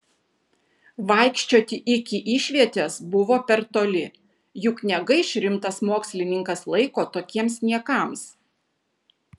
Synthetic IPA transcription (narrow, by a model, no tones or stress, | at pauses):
ʋɑˑɪkʃʲt͡ʃʲoːt̪ʲɪʔɪkʲɪʔiːʃʲʋʲiɛt̪ʲɛsbʊʋoːpʲɛɾt̪oːlʲɪ | jʊknʲɛɡɐɪʃʲɾʲɪmt̪ɐsmoːksʲlʲɪnʲɪŋkɐslˠɐɪkoːt̪oːkʲiɛmsnʲiɛkɑˑms